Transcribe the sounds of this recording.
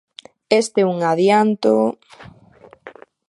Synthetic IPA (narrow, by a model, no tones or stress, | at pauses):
est̪ɛuŋaðjant̪o